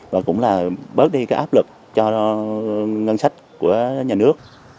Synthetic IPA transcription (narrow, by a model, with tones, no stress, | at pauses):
vaː˨˩kʊ̰˧˥ŋ͡mlaː˨˩ɓə˦˥t̚ɗi˧kaː˦jʔaː˦˥p̚lɨ˨˩k̚ | t͡ɕɔ˧ | ŋə˧nsa˦˥jk̟̚ku˧˩əɲaː˨˩nɨ˦˥ək̚